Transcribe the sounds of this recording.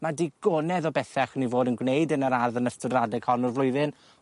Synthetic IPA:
madiɡɔnɛðɔbɛθɛχnivoːdənɡwnejdənəɾarðənəstʊdradɛɡ̥hɔnɔrvlʊjðɨn

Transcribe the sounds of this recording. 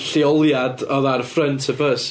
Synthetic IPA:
ɬiɔlˠjadɔðarfrəntʰəbəs

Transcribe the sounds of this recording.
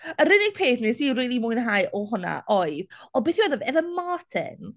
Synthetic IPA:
əɾɪnɪɡ̥̚pʰeːθnisiriːlˠimuɨnɦajʔɔhʊna̰ʔɔɨðɔbeːθiwadɔvɛvəmaːtʰɪ̰n

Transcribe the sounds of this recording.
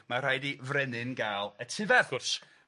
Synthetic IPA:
mar̥ajdivrɛnɨnɡaːlˠətʰɪvɛʊrs

